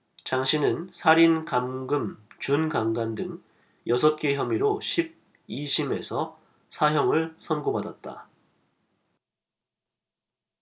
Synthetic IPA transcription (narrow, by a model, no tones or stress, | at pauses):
t͡ɕaŋɕʰinɯnsʰaɾinkamɡɯmt͡ɕunkaŋɡandɯŋ | jʌs̬ʰʌp̚k͈e̞çjʌmiɾoɕʰib̚ | iɕʰime̞sʰʌ | sʰaɦjʌŋɯɭsʰʌnɡobadat̚t͈a̰